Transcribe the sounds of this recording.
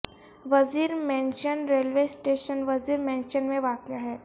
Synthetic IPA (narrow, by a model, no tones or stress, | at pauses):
ʋɐziːɾmɛ̃ːnʃənɾeːlʋeːsʈeːʃənʋɐziːɾmɛ̃ːnʃənmẽʋaːkjaɦɛː